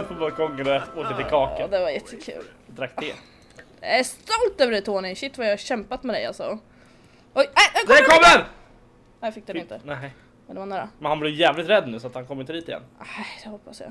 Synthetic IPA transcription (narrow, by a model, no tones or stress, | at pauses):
bakʰɔŋːəɾɛoːk̪ət̪ɪlkʰɑːkəd̪ɛvajɛt̪ʰːəkʰʉ̰ːl | d̪ɾak̚t̪ɛ | d̪̥ɛæɾst̪ɔlt̪øːvəɖɛt̪ʰoːnɪnɕɪt̪ːvajɑhaɕɛmpat̪mɛd̪ɛ̰ja̰lsɔ | ʔɔjɛɛɛkʰɔmːəɾ | nɛːjfɪk̚ːd̪ɛɪt̪ənɛ | ɛd̪ɛvanæːɾa̰mɛnhanblɛjjɛːvlɪt̪ɾɛd̪ːnʉ̟ːsɔat̪hankʰɔmːjɪnd̪iːt̪ɪjɛ̰nːnɛd̪ɛhɔpːasja̰